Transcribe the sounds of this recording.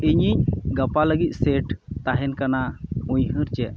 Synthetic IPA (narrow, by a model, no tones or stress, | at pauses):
iɲiɲɡapaləɡic̪̚ˀsɛʈt̪aɦɛnkanaujɦɨɾt͡ʃɛ